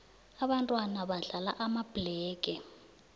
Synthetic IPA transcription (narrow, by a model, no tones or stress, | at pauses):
aβantʼwanaβaɮala̰ʔamab̥lɛːkʼɛ